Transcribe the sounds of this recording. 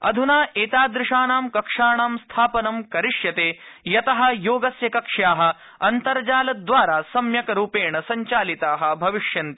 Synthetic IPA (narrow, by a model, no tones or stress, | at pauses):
ɐ̰d̪ʱunaːʔeːt̪aːd̪ɾɪʂaːnaːmkɐkʂaːɳaːmst̪ʰaːpɐnɐmkɐɾiʂjɐt̪eːjɐt̪ɐɦɐ̆joːɡɐsjɐkɐkʂjaːɦɐ̆ | ɐnt̪ɐɾd͡ʒaːlɐd̪ʋaːɾaːsɐmjɐkɐɾuːpeːɳɐsɐɲt͡ʃaːlit̪aːɦɐ̆bʱɐʋiʂjɐnt̪i